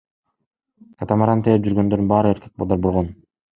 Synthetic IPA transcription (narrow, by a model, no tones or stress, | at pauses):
kat̪amaɾaɑnt̪ʰejep̚d͡ʒyɾɡø̞nd̪øɾd̪nbɑːɾɯe̞ɾke̞k̚bolˠd̪ɑɾbolˠʁon